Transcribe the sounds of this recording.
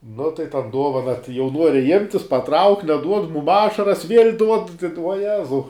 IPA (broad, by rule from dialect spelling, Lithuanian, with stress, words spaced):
nʊ tɐɪ ˈtɐn ˈduɔʋɐnɐ tɐɪ jɛʊ ˈnuɔrʲɪ ɪmʲtʲ jɪs pɐˈtrɐʊkʲ nʲɛˈduɔt ˈmʊm ˈɑːʃɐrɐs ʋʲiɛlʲ duɔt ʋuɔˈjæːzɐʊ